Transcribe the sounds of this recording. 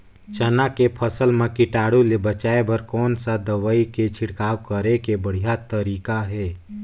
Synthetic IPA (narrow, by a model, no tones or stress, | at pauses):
t͡ʃənakepʰəsəlmẽkɪʈaːɽulebət͡ʃaːebəɾkɔːnsad̪əʋaiket͡ʃʰɪɽkaːwkəɾekebəɽ̤ijat̪əɾiːkaɦɛː